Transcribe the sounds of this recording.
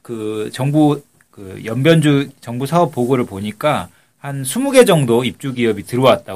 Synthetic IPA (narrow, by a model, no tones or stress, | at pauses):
kɯt͡ɕʌŋbu | kɯjʌmbjʌnd͡ʑut͡ɕʌŋbusʰaʌp͈̚ːoɡoɾɯɭpoɲik͈a | hansʰumuɡe̞d͡ʑʌŋdoip̚t͡ɕ͈uɡiʌbitɯɾʌwat̚t͈a